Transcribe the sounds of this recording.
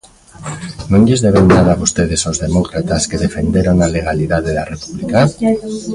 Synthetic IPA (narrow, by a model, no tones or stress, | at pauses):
nõŋʎezðeβewnað̞aβost̪eðesozðemokɾat̪askeðefend̪eɾoŋaleɣ̞aliðaðeðarepuβlika